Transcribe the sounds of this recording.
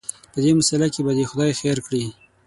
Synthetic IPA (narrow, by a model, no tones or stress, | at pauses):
pəd̪emasalakebad̪exʊd̪ɑjxeɾkɽi